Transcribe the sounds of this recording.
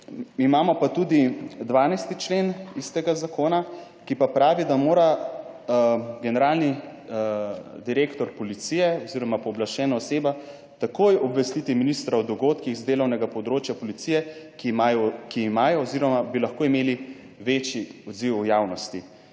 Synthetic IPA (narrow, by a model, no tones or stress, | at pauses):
imaːmɔpat̪ud̪id̪ʋaːnajst̪it͡ʃlenist̪ɛɡazakʰoːna | kipapɾaːʋid̪amoːɾa | ɡɛnɛɾaːlni | d̪iɾeːkt̪ɔɾpɔlit̪siːjɛɔziɾɔmapɔblaʃɛːnaɔseːba | t̪akoːjɔbʋɛst̪it̪iminist̪ɾawd̪ɔɡoːt̪kiɣzd̪eːlɔwnɛɡapɔd̪ɾoːt͡ʃjapɔlit̪sijɛkiajɔkiːmaːjɔɔziɾɔmabilaxkoːimeːli | ʋet͡ʃiɔd̪ziwjaːwnɔst̪i